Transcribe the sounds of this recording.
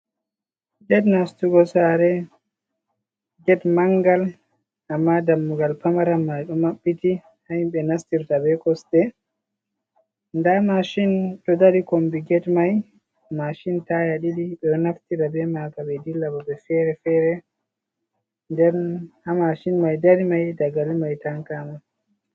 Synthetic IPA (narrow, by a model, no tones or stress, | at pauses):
d͡ʒɛtnastuɡɔsaɾɛ | ɡɛtmaŋɡal | ʔamːadamːuɡalpamaɾamːajɗɔmaɓːiti | hahimɓɛnastiɾtabɛkɔstɛ | ndamaʃinɗɔdaɾikombiɡɛtmaj | maʃintajaɗidiɓɛɔnaftiɾabɛmakaɓɛdilːabɔbɛfɛɾɛfɛɾɛ | ndɛɾnhamaʃinmajdaɾimajdaɡalimajtaŋkama